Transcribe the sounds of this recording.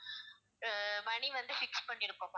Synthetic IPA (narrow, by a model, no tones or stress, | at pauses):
ʋɐɳiʋɐnd̪ɯfɪkspɐɳːɪɾɯkːõːm